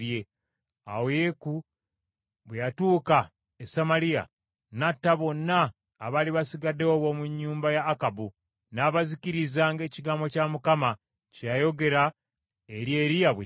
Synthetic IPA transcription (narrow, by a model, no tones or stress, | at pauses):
je̞ | a̰weku | βwejatuːka | esamalija̰ | natːaβo̞nːaː | βaliβasiɡadeoβwo̞muɲːuːmbajaːkabu | naːβazikiɾizaŋɡe̞ːciɡaːmbo̞camukama | cejajo̞ɡe̞ɾa | eɾje̞ɾijaβe